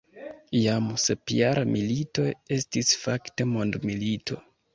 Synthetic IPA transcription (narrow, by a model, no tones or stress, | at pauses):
jamsepijaɾamilito̞je̞stisfakte̞mo̞ndmilitʰo̞